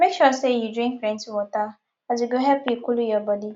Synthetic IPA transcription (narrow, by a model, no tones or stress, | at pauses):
mekʃɔsejudɾĩŋkɾɛ̃ntwɔta | ad͡ʒiɡoɦɛpikulujɔbɔdi